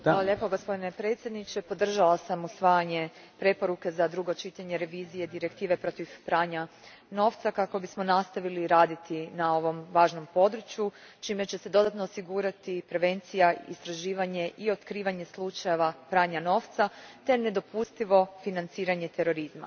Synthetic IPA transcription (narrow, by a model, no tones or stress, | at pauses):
aloʎe̞po̞ɡospod̪ine̞pɾe̞ːt̪sʲje̞d̪nit͡ʃe̞po̞d̪r̩ʒalasamusʋaːjaɲe̞ | pɾe̞po̞ɾuke̞zad̪ɾuɡo̞t͡ʃit̪aɲe̞ɾe̞ʋiːzije̞d̪iɾe̞kt̪iːʋe̞pɾo̞t̪iʋpɾaːɲa | no̞ːft̪sakako̞bismo̞nast̪aʋiliɾaːd̪it̪inao̞ʋo̞mʋaːʒno̞mpo̞d̪ɾut͡ʃju | t͡ʃiːme̞t͡ɕe̞se̞d̪o̞d̪at̪no̞ːsiɡuɾat̪ipɾe̞ʋe̞nt̪sijaḭst̪ɾaʒiːʋaɲe̞ʔio̞t̪kɾiːʋaɲe̞slˠut͡ʃaje̞ʋapɾaːɲano̞ːft̪sat̪e̞ne̞d̪o̞pust̪iʋo̞finant̪siːɾaɲe̞t̪e̞ɾo̞ɾizma̰